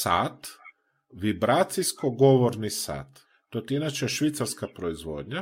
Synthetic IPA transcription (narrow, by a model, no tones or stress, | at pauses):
sa̰ːt̪ | ʋibɾaːt̪sijskoɡo̞ʋoɾnisa̰ːt̪ː | ot̪iinat͡ʃeʃʋit̪saɾskapɾoizʋo̰ːd̪ɲa